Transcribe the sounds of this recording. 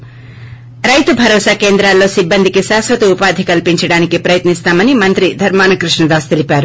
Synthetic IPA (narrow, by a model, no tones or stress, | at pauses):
ɾɐjt̪ubʱɐɾɔːsaːke̞ːnd̪ɾaːlːo̞ːsibːɐnd̪ʱikiʃaːsʋɐt̪iupaːd̪ʱikɐlpiɲt͡ʃɐɽaːnikipɾɐjɐt̪nist̪aːmɐnimɐnt̪ɾid̪ʱɐɾmaːnɐkɾuʂɳɐd̪aːst̪elipaːɾu